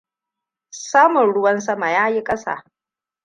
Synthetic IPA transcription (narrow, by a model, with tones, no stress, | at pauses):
saː˦mʊ˨nɽʊ˦wɐ˦nsɐ˦ma˨jaː˦ji˦kʼɐ˦sa̰ː˨